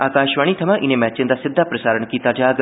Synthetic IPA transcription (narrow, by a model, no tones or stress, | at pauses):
aːkaːʃʋaːɽ̃iːt̪ʰəmãːʔɪnẽːmɛːt͡ʃɪnd̪aːsɪd̪ʱːaːpɾəsaːɾəɳkiːt̪aːd͡ʒaːɡ